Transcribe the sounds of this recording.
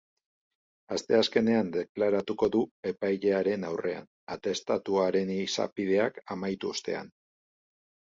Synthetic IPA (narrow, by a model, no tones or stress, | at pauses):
ast̪e̞aske̞ne̞and̪e̞klaɾat̪uko̞ðue̞pajʎe̞aɾe̞nawrʔe̞a̰n | at̪e̞st̪at̪uaɾe̞nisa̰pið̞e̞akamajt̪uost̪e̞̰a̰n